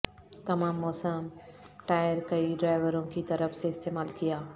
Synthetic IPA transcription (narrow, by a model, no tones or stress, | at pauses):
t̪ɐmaːmːɔːsəmʈaːjəɾkɐiɖɾaːɪʋəɾõkit̪ɐɾəfʰseɪst̪eːmaːlkijaː